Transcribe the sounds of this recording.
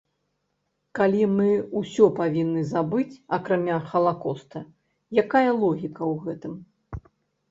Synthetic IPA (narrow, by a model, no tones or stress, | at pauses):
kalʲimɨusʲɔpavʲinːɨzabɨt͡sʲɐkɾamʲaxɐlˠakɔst̪ɐ | jakajɐlˠɔɣʲikɐwɣɛt̪ɨm